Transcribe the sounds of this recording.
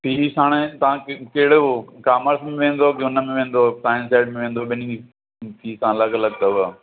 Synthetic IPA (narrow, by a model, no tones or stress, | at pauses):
pʰiːsãːɽ̃et̪ɐʋãkkeɦɪɽokaːməɾsmẽʋẽːn̆d̪okeʊnəmẽʋẽːnd̪opaːɪnsaːɪɖmẽʋẽːn̆d̪oːɓɪnĩ | pʰiːsãləɡləɡd̪oʋa